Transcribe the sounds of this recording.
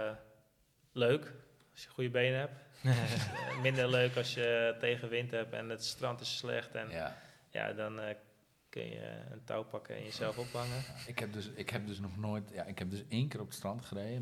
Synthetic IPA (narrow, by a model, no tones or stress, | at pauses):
løːk | ɔsjəχujəbeːnəɦɛp | mɪndərløːkɔsjəteːɣəʋɪnthɛpɛ̰nətstrɑntɪsːlɛ̰xtɛn | ja̰dɔn | kø̰njə̰ə̰ntʰa̰wpakʰə̰ɪ̰njəsɛlˠfophaŋəɪkhɛp̚døsɪkhɛp̚døsnɔxnojtjaɪkhɛp̚dɵseːŋkərɔpətstrɔntχərejə